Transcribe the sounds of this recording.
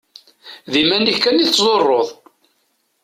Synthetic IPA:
ðimænːikːæniθːzˤorˤːoðˤ

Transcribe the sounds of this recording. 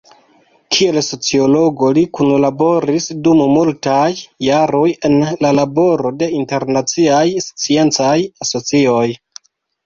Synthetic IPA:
kʰie̞lso̞t͡sio̞lo̞ɡo̞likunlabo̞ɾisdummultajːaɾo̞je̞nlalabo̞ɾo̞de̞inte̞ɾnat͡siajst͡sie̞nt͡sajaso̞t͡sio̞j

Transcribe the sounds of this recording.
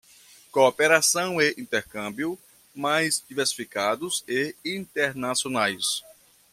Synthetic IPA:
kopeɾasɐ̃w̃eʔĩt̪ɛɾkɐ̃bjʊ | majzd̪iveɾsi̥fikad̪ʊzeĩt̪eɾnasionajs

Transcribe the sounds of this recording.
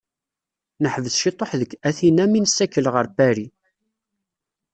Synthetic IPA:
nəħvəsʃit̪ˤoħðəkːæθinæminəsːækːəlʁəɾbæɾi

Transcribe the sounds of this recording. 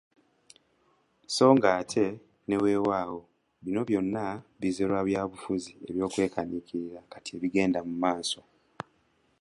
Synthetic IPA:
so̞ːŋɡaːtʰe̞ | ne̞we̞ːwaːɣo̞ | βino̞βjo̞nːaβizeɾwaβjaːβufuzie̞̰βjo̞ːkwe̞ːkanikiɾiɾakatie̞βiɡe̞ːndamumaːso̞

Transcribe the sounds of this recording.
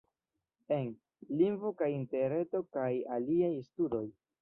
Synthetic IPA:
en | liŋɡvokajinteɾe̞to̞kajaliajstudo̞j

